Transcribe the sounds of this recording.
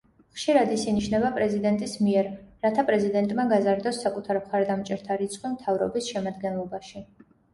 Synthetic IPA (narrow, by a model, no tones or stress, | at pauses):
χʃiɾad̪isiniʃʰnɛbapʼɾɛzid̪ɛnt̪ʼismiɛɾːat̪ʰapʼɾɛzid̪ɛnt̪ʼmaɡazaɾd̪ɔsːakʼut̪ʰaɾmχaɾd̪amt͡ʃʼɛɾt̪ʰaɾit̪sʰʼqʼwimt̪ʰavɾɔ̰bisʃɛmad̪ɡɛnlˠɔbaʃi